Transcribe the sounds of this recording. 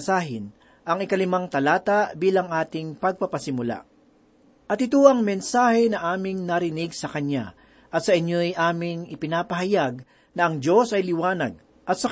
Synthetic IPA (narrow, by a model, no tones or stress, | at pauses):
saːɦɪn | ʔɐŋɪkɐlɪmaŋt̪ɐlaːt̪abiːlɐŋʔaːt̪ɪŋpɐɡ̚pɐpɐsɪmʊla̰ | ʔɐt̪ɪt̪oʔɐŋmɛnsaːhɛnɐʔaːmɪŋnɐɾɪnɪɡsɐkɐɲa̰ | ʔɐt̪sɐʔɪɲːojʔaːmɪŋɪpɪnaːpɐɦɐjaɡ̚ | nɐʔɐŋd͡ʒo̞sɐjlɪwaːnɐ̰ɡ̚ | ʔɐt̪̚sɐ